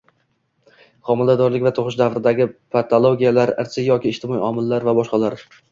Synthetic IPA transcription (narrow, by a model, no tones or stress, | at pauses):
χʰɒmɪlad̪ɒɾlɪkʲvat̪ʰoʁɪʃ̬d̪avɾɪd̪aɡʲɪpʰat̪ʰolˠoɡʲijalaɾɪ̰ɾsʰɪjɒkʲɪːʃt̪ɪmɒiɒmɪlːaɾvabɒʃqɑlaɾ